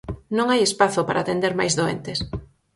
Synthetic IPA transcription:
nõŋajespaθopaɾaːt̪end̪eɾmajzðoḛnt̪ɪs

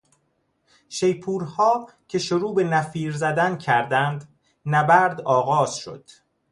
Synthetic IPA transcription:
ʃe̞jpʰuːɾhɒː | cʰe̞ʃoɾuːbe̞næfiːɾzæd̪æncʰæɾd̪ænd̪ | næbæɾd̪ɒːɣɒːz̥ʃo̰d̪̥

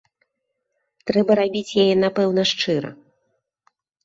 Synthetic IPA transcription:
t̪ɾɛbɐɾabʲit͡sʲjajɛn̪apɛwn̪ɐʂt͡ʂɨɾɐ̰

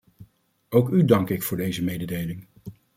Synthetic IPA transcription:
owkydɑŋkɪkfʊːɹdejzəmejdədejlɪŋ

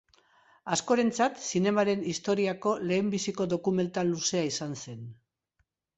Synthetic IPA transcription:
asko̞ɾe̞nt͡sat̪sine̞maɾe̞nist̪o̞ɾiako̞le̞ːmbisiko̞ðo̞kume̞nt̪alːuse̞aisanse̞n

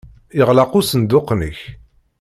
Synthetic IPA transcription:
jəʁlɑqusənd̪ʊqnə̰ç

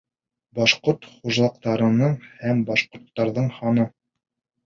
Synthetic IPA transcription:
bɑʃqoɾt̪χuʒlˠɑqt̪ɑɾɤ̆nɤɴhæmbɑʃqŏɾt̪ːɑɾðɤɴhɑnɤ

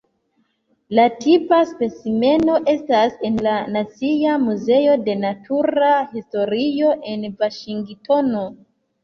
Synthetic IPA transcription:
latipaspe̞t͡sime̞no̞ʔe̞stase̞nlanat͡siamuze̞o̞de̞natʰuɾahisto̞ɾio̞ʔe̞nvaʃiŋɡtʰo̞no

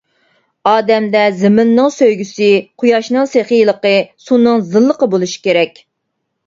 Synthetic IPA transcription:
ɑːd̪ɛmd̪ɛzɪmɪnːɨŋsøjɡʲysɪqʰʊjɑʃnɨŋseχijlˠəqəsunɨŋzɨlˠːəqəbolˠuʃi̥kʲeɾɛkʲ

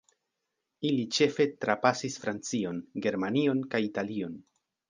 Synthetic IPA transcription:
ilit͡ʃe̞fe̞tɾapasisfɾant͡sio̞nɡe̞ɾmanio̞nkajitalio̞n

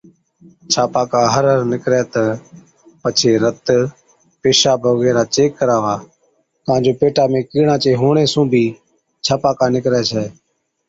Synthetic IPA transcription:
t͡ʃʰaːpaːkaːɦəɾəɾnɪkɾɛːt̪ə | pət͡ʃʰeːɾət̪ | peːʃaːbʱəɡeːɾaːt͡ʃeːkːəɾaːʋaː | t̪əãːnd͡ʒoːpeːʈaːmẽːkiːɳaːt͡ʃeːɦoːɳeːsũːbʱiː | t͡ʃʰaːpaːkaːnɪkɾɛːt͡ʃʰɛː

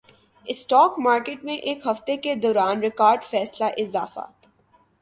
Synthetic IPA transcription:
ɪsʈɔːkmaːɾkeːʈmẽʔeːkɦɐft̪eked̪ɔːɾaːnɾɪkaːɾɖfɛːslaʔɪza̰ːfa̰

